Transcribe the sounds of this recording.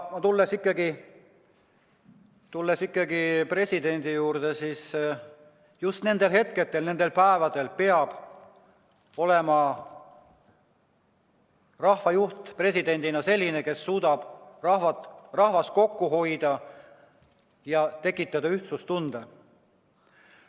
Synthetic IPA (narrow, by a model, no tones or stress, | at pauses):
mɑt̪ulːesikːˑɑɡi | t̪ulːesikːˑɑɡipre̞sʲid̪e̞nʲd̪ijuːrd̪̥e̞siːs | just̪ne̞nd̪̥e̞lhe̞t̪̚ke̞t̪ːˑe̞lne̞nd̪e̞lpæevɑd̪̥e̞lpe̞ɑb̥ | o̞le̞mɑ | rɑhvɑjuht̪pre̞sʲid̪̥e̞nʲd̪̥inɑse̞lʲːine̞ke̞sːuːd̪̥ɑb̥rɑhvɑrɑhvɑst̪̚ko̞kːuɦo̞jd̪̥ɑ | jɑt̪e̞kːˑit̪ːˑɑd̪̥ɑyht̪sust̪und̪e